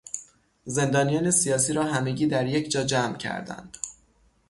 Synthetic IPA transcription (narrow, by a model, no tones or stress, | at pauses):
ze̞nd̪ɒːnijɒːne̞sijɒːs̬iːɾɒːɦæme̞ɟiːd̪æɾjecʰd͡ʒɒːd͡ʒæmcʰæ̰ɾd̪æ̰nd̪̥